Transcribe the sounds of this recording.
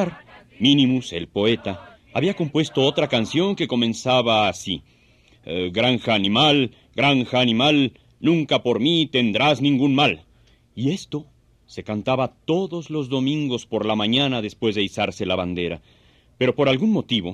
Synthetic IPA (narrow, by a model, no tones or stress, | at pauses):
aɾ | mĩnĩmuse̞̰lpo̞e̞t̪aː | βiako̞mpwe̞st̪o̞ot̪ɾakansjo̞ŋke̞ko̞mẽ̞nsaβaːsi | ɡɾaŋxaːnĩmal | ɡɾaŋxaːnĩmal | nũŋkapo̞ɾmit̪e̞nd̪ɾaznĩŋɡunmal | ie̞st̪o̞ | se̞kant̪aβat̪o̞ðo̞zlo̞zðo̞mĩŋɡo̞spo̞ɾlamãɲanaðe̞spwe̞zðeisaɾse̞laβand̪e̞ɾa | pe̞ɾo̞po̞ɾalɣunmo̞t̪iβo̞